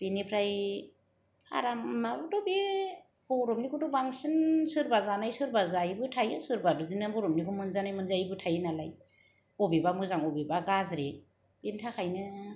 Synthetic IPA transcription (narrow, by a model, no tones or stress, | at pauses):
b̥inipʰɾaj | a̰ɾamnabɔdɔbi | b̥ɔɾɔmnikʰudɔbaŋsɯnsɯɾbazanajsɯɾbazajbɯtʰajɯsɯɾbabizinɯbɔɾɔmnikʰumɯnzanajmɯnzajbɯtʰajɯnalaj | ɔbibamɯzaŋɔbibaɡazɾe | b̥intʰakʰajnɯ